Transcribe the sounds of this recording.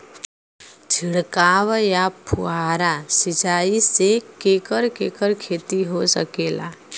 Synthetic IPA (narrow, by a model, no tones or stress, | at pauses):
d͡ʒʱiɽkaʋjapʰuaɾasid͡ʒaisekekəɾkekəɾkʰeːt̪iɦosə̰keːla̰